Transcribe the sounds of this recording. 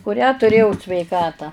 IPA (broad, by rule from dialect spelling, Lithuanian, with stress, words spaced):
kʊˈrʲæː tʊˈrʲeːjɛʊ sʲʋʲɛɪˈkɑːtɑː